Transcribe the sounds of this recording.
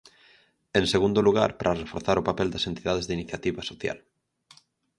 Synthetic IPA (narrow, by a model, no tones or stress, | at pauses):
ẽnseɣund̪oluɣa̰ɾpɾʔarefoɾθaɾopapeld̪asent̪iðað̞ezðeiniθjat̪iβasoθja̰l